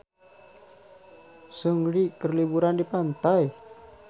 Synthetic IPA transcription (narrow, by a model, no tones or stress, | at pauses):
səŋɾikərlibuɾandipant̪aj